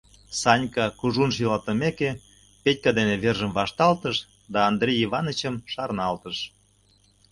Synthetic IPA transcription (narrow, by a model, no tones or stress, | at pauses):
sɑnʲkɑkuʒunʃ̬ilɑt̪əmeke | pet̚ʲkɑd̪eneβerʒəmvɑʃt̪ɑlt̪əʃ | d̪ɑːnd̪rʲejivɑnət͡ɕəmʃɑrnɑlt̪əʃ